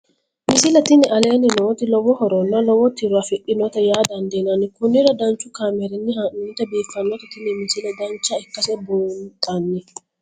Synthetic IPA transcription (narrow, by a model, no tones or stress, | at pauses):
mɪsɪlɛt̪ɪnːɪʔɐleːnɪnoːt̪ɪlɔwɔhɔɾɔnːɐlɔwɔt̪ɪɾʊɐfɪʔɪnɔt̪ɛjaːd̪ɐnd̪eːnɐnːɪkʊnːɪɾɐd̪ɐnt͡ʃːʊkaːmɛɾɪnːɪhɐʔɪːt̪ɛbiːfːɐnːɔt̪ɛt̪ɪnːɪmɪsɪlɛd̪ɐnt͡ʃːɐɪkːɐsɛbunt̪ʼɐnːɪ